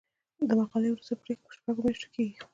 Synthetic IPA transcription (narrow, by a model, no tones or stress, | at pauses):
d̪əmaqɑlejwɾusapɾexpə̥ʃpaɡomjaʃto̥kʰeɡi